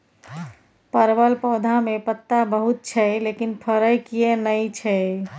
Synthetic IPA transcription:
pəɾbəlpɔwd̪ʱamepət̪ːabəɦut̪̚t͡ʃʰɛlekinpʰəɾəjkijenəjt͡ʃʰɛ

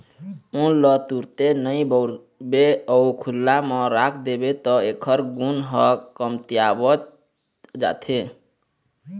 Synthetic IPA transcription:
ũlɔt̪uɾt̪enəɪbɔɾ | beɔukʰulːamɔ̃ɾakʰd̪ebet̪ɔekʰəɾɡunɦəkəmt̪ijabət̪̚ | d͡ʒa̰t̪ʰe

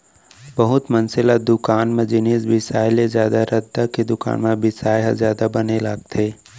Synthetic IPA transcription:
bɐɦʊt̪mɐnsɪlad̪ʊkaːnmẽd͡ʒɪniːsbɪsaːjlezjaːd̪aɾɐd̪ːaked̪ʊka̰ːnmẽbɪsaːjɦazjaːd̪abɐnelaːɡ̚t̪ʰeː

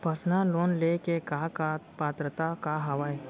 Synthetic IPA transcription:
pəsnaloːnlekekakapaːt̪ɾət̪akaɦɐʋae

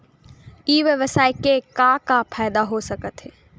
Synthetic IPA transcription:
iːʋjəʋəsaːekekãkapʰaːjd̪aɦosɐkət̪ɦeː

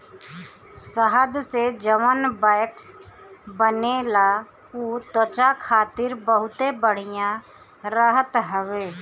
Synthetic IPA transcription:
səɦəd̪sed͡ʒəʋənbaɪksbənela | ut̪ot͡ʃakʰaːt̪ɪɾbəɦʊt̪ebəɽ̤ɪjã | ɾəɦət̪ɦəʋeː

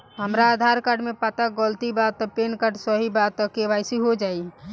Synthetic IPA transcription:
ɦəmɾaːd̪ʱaɾkaɾɖmepat̪aɡəlt̪ibat̪ɔpenkaɖsəɦibat̪ːɔkeʋaɪsiɦod͡ʒai

